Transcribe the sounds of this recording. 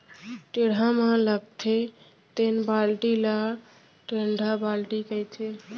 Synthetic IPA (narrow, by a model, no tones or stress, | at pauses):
ʈeɽ̤ʱamaləɡ̚t̪ʰe | t̪enbalʈila | ʈeɳɖʱabalʈikəjt͡ʃʰe